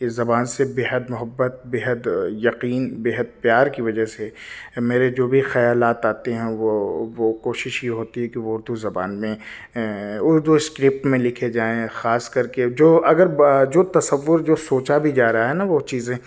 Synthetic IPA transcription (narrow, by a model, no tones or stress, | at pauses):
kezɐbaːnsebeːɦəd̪mʊɦəbːət̪̚beːɦəd̪jɐqiːnbeːɦəd̪̚pjaːɾkiʋɐd͡ʒəɦsemeːɾed͡ʒoːbʱixɐjaːlaːt̪aːt̪eɦɛ̃ʋoʋokoːʃɪʃjeɦoːt̪iɦɛkiʋoʊɾd̪ʱuzɐba̰ːnmẽ | ʊɾd̪ʱuɪskɾɪp̚ʈmẽlɪkʰed͡ʒaːẽxaːskɐɾked͡ʒoːʔɐɡəɾd͡ʒoːt̪ɐsəʋːʊɾd͡ʒoːsoːt͡ʃabʱid͡ʒaːɾɐɦaɦɛnaʋot͡ʃiːzẽː